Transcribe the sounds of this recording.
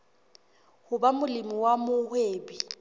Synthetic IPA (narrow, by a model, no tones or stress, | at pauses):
hʊbamʊlɪmiwamʊhweːbi